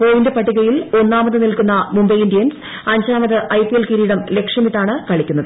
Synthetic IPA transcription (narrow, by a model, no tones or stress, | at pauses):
poːjindɨpɐʈːiɣɐjilo̞nːaːmɐðɨnilkunːɐmumbɐjindijɐns | ɐɲd͡ʑaːmɐðɨʔɐjpijelkiɾiːɽɐmle̞kʂjɐmiʈːaːɳɨkɐɭikʲːunːɐðɨ